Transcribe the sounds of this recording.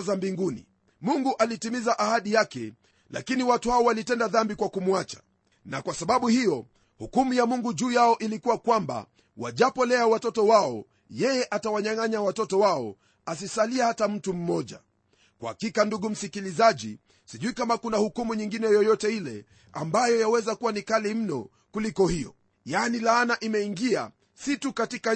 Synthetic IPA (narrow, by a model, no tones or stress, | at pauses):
zambiŋɡunḭ | muŋɡuʔalitimizaʔahaɗijakɛ | la̰kiniwatuhaɔwalitɛndaðambikwakumwat͡ʃḁ | nakwasaɓaɓuhijɔ | hukumujamuŋɡuʄuːjaɔʔilikuwakwamba̰ | waʄapɔlɛawatɔtɔwaɔ̰ | jɛjɛʔatawaɲaŋaɲawatɔtɔwaɔ̰ | as̬isaliahatam̩tum̩mɔʄa̰ | kwa̰hakikanduɠum̩sikilizaʄḭ | siʄuikamakunahukumuɲiŋɡinɛjɔjɔtɛilɛ̰ | a̰mbajɔjawɛzakuwanikalim̩nɔ̰ | kulikɔhijɔ̰ | janilaːnaʔimɛiŋɡia̰ | situkatika